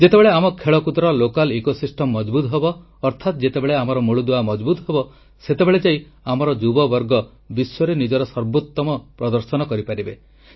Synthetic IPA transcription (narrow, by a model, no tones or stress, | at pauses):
d͡ʒet̪ebeɭeamɔkʰeɭɔkud̪ɾɔlokalekosisʈʰɔmːɔd͡ʒbut̪ɦebɔː | ɾt̪ʰat̪d͡ʒet̪ebeɭeamɔɾɔmuɭud̪uamɔd͡ʒbut̪ɔɦebɔ | set̪ebeɭed͡ʒai | amɔɾɔd͡ʒubɔbɔɾɡɔ | bisɔɾenid͡ʒɔɾɔsɔɾbot̪ːɔmɔpɾɔd̪ɔɾsɔnɔkɔɾipaɾibe